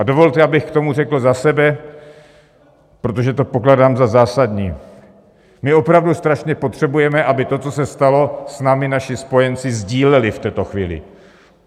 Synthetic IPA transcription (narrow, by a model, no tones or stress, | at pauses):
ʔado̞vo̞lt̪ɛʔabɪxkt̪o̞murɛkl̩zasɛbɛ | pɾo̞t̪oʒɛt̪o̞po̞kladaːmzazaːsad̪ɲiː | mɪo̞pɾavdust̪ɾaʃɲɛpo̞t̪r̝̥ɛbujɛmɛʔabɪt̪o̞t͡sosɛst̪alo̞snaːmɪnaʃɪspo̞jɛnt͡sɪzɟiːlɛlɪft̪ɛːt̪o̞xviːlɪ̰